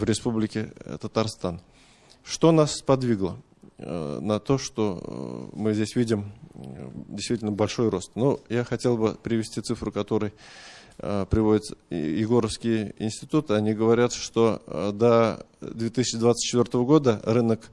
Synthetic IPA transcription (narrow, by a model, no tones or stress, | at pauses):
vɾʲɪspublʲɪkʲɪt̪ət̪ɐrst̪an | ʂt̪o̞naspɐd̪vʲiɡlˠə | nɐt̪o̞ʂt̪o̞mɨzʲdʲesʲvʲidʲɪm | dʲɪjst̪vʲitʲlʲnəbɐlʲʂo̞jro̞st̪nojaxɐtʲe̞lˠbɨpɾʲɪvʲɪsʲtʲit̪sɨfɾɨkɐt̪o̞ɾɨj | pɾʲɪvo̞dʲɪt̪jɪɡo̞ɾəfskʲɪjɪ̰nʲsʲtʲɪt̪ut̪ɨɐnʲiɡəvɐɾʲat̪ʂt̪o̞d̪ə | d̪vʲet̪ɨsʲt͡ʃɪd̪vat̪sɨ̥t̪̚ʲt͡ɕːɪt̪vʲort̪əvəɡo̞d̪ərɨnək